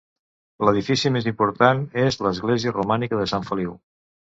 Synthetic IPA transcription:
ləð̞ifisimezimpuɾt̪anezləzɣleziərumanikəðəsãɱfəliw

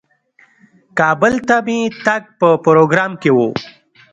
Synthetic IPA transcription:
kɑːbəlt̪amit̪aɡ̚pəpɾoɡɾɑːmkewo

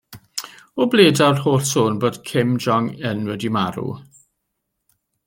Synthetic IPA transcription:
ɔbleːdarhoːɬsoːnboːd̥kʰɪmd͡ʒɔŋənwɛdimaɾṵ

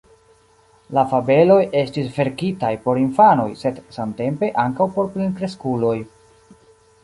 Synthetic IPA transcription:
lafabe̞lo̞je̞stisve̞ɾkitajpo̞ɾinfano̞̰jse̞dsamte̞mpe̞ʔaŋkawpo̞ɾplinkɾeskulo̞j

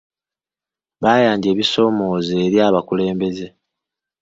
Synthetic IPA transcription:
βaːjaːɲɟe̞ːβiso̞ːmo̞ːzeːɾjaːβakule̞ːmbe̞ze̞

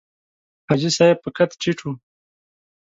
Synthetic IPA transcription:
had͡ʒisajepəkat̪ʈ͡ʂiʈ͡ʂʰu

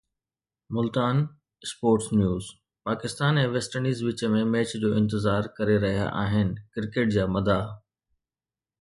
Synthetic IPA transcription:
mʊlt̪aːn | spoːɾʈsnjuːz | paːkɪst̪aːnɛ̃ːʋeːsʈəɾniːzʋɪt͡ɕəmẽmɛːt͡ɕd͡ʑoːɪ̃nt̪̬ɪzaːɾkɐɾeɾɐɦija̰ʔaːɦɪnɪ̆kɪɾkeːʈ̚d͡ʑaːmɐd̪aː

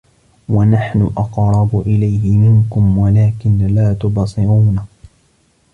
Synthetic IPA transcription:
wanaħnʊʔɑqɾˤɑbʊʔɪlajhɪmɪŋkʊmwalaːkɪnlaːt̪ʊbɑsˤɨɾuːna

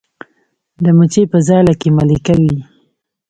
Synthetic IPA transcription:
d̪əmut͡ʃepəzɑlakemalikawi

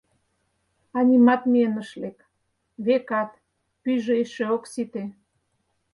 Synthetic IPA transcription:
ɑnʲimɑt̪mienəʃlek | βekɑt̪ | pyʒeeʃeoksit̪e

